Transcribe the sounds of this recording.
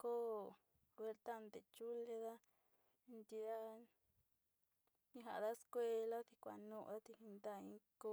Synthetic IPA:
ko˦ | kwe˧ɾt̪a˦˧nd̪e˨t͡ʃu˦le˧ða˦˧ | nd̪i˧a˦ | ɲĩ˦ɦa˨ða˦skʷe˧la˦t̪i˧kʷa̰˧nũ˧ʔd̪a˦t̪i˧hi˧nd̪a˦˧ĩ˦ko˦

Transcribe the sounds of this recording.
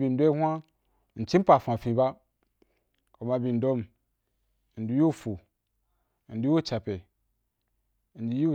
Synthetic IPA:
bi˨n˨do˦hʷa˦˨ | n̩˨t͡ʃi˦pa˨fa˨fĩ˨ba˦ | ko˨ma˨bi˨n̩˨do˦m˨ | n̩˨du˨˦jo˦˨fu˨ | n̩˨du˦jwo˦t͡ʃa˨pe˨ | n̩˨du˨ju˦˨

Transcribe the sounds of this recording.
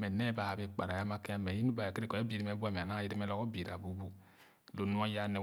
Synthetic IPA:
mɛ˨ne˦ba˨ha˨bi˨k͡pa̰˨ɾa˨ja˦ma˦ke˦a˦me˨ji˦nu˦ba˨ke˦ɾi˦ko˨o˦bi˨ɾi˦me˦ba˦˨me˨na˦i˦ɾi˦me˦lɔ˦ko˦bi˨ɾa˨bu˦bu˦ | lo˨nu˦a˦ja˦ne˨

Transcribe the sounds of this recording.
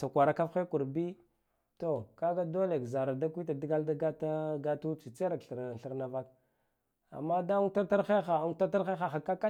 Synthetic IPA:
sa˨kʷa˨ɾa˨ka˦fe˦ku˨ɾbi˦ | to˨ka˦ɡa˦do˦le˨kza˨ɾa˨da˦kʷi˦ta˨di˦ɡa˦lda˦ɡa˦ta˦ɡa˦tu˦t͡si˨t͡se˦ɾa˨kɬɬi˨ɾna˨va˦k̚ | a̰˨mːa˦da˦u˦ta˦ta˦ɾxe˦xa˨˦u˦ta˦a˦ɾxe˦xa˨xa˨ka˦ka˦

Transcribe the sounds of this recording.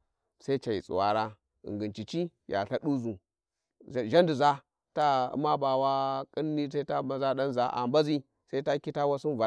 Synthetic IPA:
sa˦t͡ʃa˨jḭ˨t͡sʼṵ˨wa˨ɾa˦ | ḭ˨ŋɡi˨nt͡ʃi˨t͡ʃi˦ja̰˨ɬa˦ɗu˦zu˨ | ʒa˦ndu˨za˦ | ta̰˦ma˦ba˨wa˦kʼi˦nː˦i˦sa˦i˦ta˦ma˨za˦ɗa˦nza˨ʔa̰˨mba˦zi˦ | sa˦i˦ta˦ki˦ta˦wa˦su˦nva˨

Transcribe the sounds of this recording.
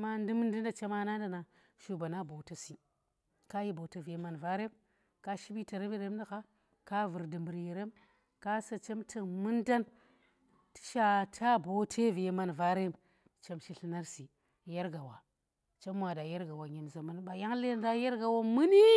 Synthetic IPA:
ma˦n˦di˦m˦n˦di˦n˦da˨t͡ʃe˦ma˦na˦n˦da˨na˨ | ʃu˨ba˨na˦bo˨ta˦si˨ | ka˦ji˦bo˨te˨vi˨je˨ma˨nva˦ɾe˦m | ka˦ʃi˦bi˦ta˨ɾe˦m˦je˨ɾe˦m˦da˦ka˦ | ka˦vɨ˨ɾdi˨mbɨ˨ɾje˨ɾe˦m | ka˦sa˨t͡ʃe˦mtʰi˨mu˦nda˦n | ti̥˦ʃa˦tʰa˦bo˨tʰe˦vi˨e˨ma˨nva˦ɾe˦m | t͡ʃe˦mʃi˦ɬi˦na˦ɾsi˨ | ja˦ɾɡa˨wa˨ | t͡ʃe˦m˦wa˨da˨je˦ɾɡa˨wa˨ɲe˨mza˨ma˦nɓa˨ja˦ŋle˦n˦da˦je˦ɾɡa˨wa˦mɨ˦ni˦

